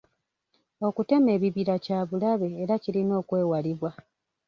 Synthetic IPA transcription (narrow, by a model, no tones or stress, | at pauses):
o̞kute̞me̞ːβiβiɾacaːβulaβe̞ːɾaciɾino̞ːkwe̞ːwaliβwa